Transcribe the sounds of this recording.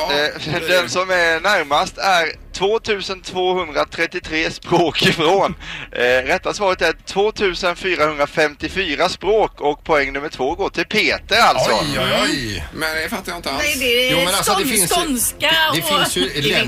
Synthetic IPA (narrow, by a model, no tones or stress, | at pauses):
d̪ɛnsɔmɛnæɾmast̪æɾt̪ʰvoːt̪ʰʉ̟ːsənt̪ʰvoːhɵnd̪ɾat̪ʰɾɛt̪ːɪt̪ʰɾeːspɾoːkɪfɾoːn | ɾɛt̪ːasvɑːɾət̪æt̪ʰvoːt̪ʰʉ̟ːsənfyːɾahɵnd̪ɾafɛmt̪ɪfyːɾaspɾoːkɔk̚pʰɔɛŋːnɵmːəʈʰv̥oːɡoːʈʰɪlpʰeːt̪əɾalsɔjmɛnd̪ɛfat̪ːajaɪnt̪əanɛd̪ɛːmnad̪ɛɪnsnskaɛfnsj